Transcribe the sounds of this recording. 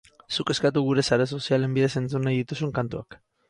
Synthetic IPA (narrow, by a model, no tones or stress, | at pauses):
suke̞skat̪uɣ̞uɾe̞saɾeso̞siale̞mbið̞e̞se̞nt͡sunajðit̪usuŋkant̪uak